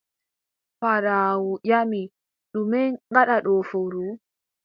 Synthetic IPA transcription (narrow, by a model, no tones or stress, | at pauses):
faɾawujami | ɗumɛŋɡaɗaɗɔfoɾu